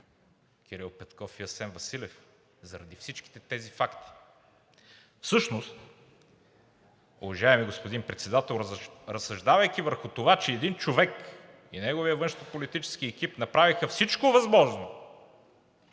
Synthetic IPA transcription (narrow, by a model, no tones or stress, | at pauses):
k̟ʰʲiɾilˠpɛt̪kɔfiɐsɛnvɐsilɛf | zɐɾɐd̪ifsit͡ʃki̥t̪ɛt̪ɛzifakt̪i̥ | fsɤʃnost̪ | ʊ̰vɐʒaɛmiɡospʊd̪inpɾɛt̪sɛd̪at̪ɛlˠɾɾɐsːɐʒd̪avɐjk̟ivəɾxʊt̪ovat͡ʃɛːd̪int͡ʃovɛk | inɛɡoviəvɤ̃nʃt̪opolit̪it͡ʃɛ̥sk̟iɛkipnɐpɾavixəfsit͡ʃkovɐzmɔʒno